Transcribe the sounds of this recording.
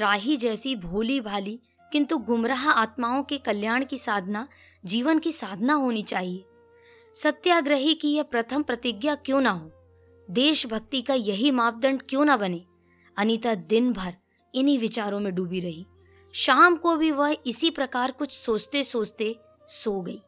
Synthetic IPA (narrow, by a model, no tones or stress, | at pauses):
ɾaːɦid͡ʒɛːsibʱuːlibʱaːli | kɪ̃nt̪uɡʊmɾaɦaːt̪maːõkekɐljaːɽ̃kisaːd̪ʱna | d͡ʒiːʋənkisaːd̪ʱənaɦoːnit͡ʃaːɦieː | sɐt̪jaːɡɾəɦikijɐpɾɐt̪ʰəmpɾɐt̪ɪɡjakjõːnaɦoː | d̪eːʃbʱɐk̚t̪ikajɐɦimaːp̚d̪ə̃ɳɖkjõːnabɐneː | ɐnit̪ad̪ɪnbʱɐɾ | ɪniʋɪt͡ʃaːɾõmẽɖuːbiɾɐɦiː | ʃaːmkobʱiʋɐɦɪsipɾɐkaːɾkʊt͡ʃʰsoːt͡ʃt̪esoːt͡ʃt̪e | soːɡɐiː